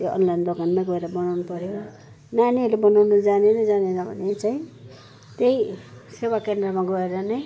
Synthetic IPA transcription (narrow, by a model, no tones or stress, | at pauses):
joʔʌ̰nlajnd̪okanmaɡʌeɾʌbʌnawnupʌɾjo | naniʌɾebʌnawnʌd͡zanenʌd͡zanenʌbʱʌ̰net͡saĩ | t̪ejsewakend̪rʌmaɡʌeɾʌnʌ